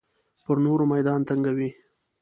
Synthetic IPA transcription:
pəɾnoɾmajd̪ɑnt̪aŋɡawi

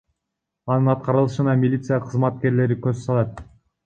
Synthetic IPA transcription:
ɑnɯnɑt̪̚qɑɾɯlˠɯʃɯnɑmʲilʲit̪sɨjaqʰɯzmɑt̪̚ke̞ɾle̞ɾikøzsɑlˠɑt̪̚

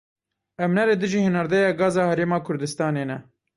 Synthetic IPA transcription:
ʔɛmnɛleːd̪ɨʒiːhɨnɑɾd̪ɛjɑːɡɑːzɑːhɛɾeːmɑːkʰʊɾd̪ɨst̪ɑːneːnɛ

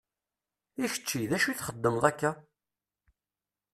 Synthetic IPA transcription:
içə̥t͡ʃːiðæʃuθχəd̪ːəmðˤækːæ

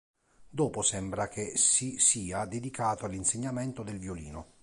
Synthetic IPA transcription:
d̪ɔːposɛmbɾak̟esisiːad̪ed̪ikʰaːt̪oalːinseɲːamɛnt̪od̪elvjolḭːno̰

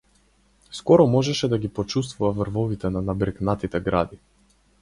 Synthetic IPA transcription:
skɔɾɔmɔʒɛʃɛd̪aɡipɔt͡ʃus̬t̪vuvavərvɔvit̪ɛnanabɾɛknat̪it̪ɛɡɾa̰d̪i

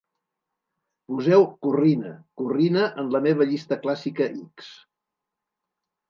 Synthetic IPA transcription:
puzɛwkurinə̰kurinəʔənləmeβ̞əʎist̪əklasikəʔiks

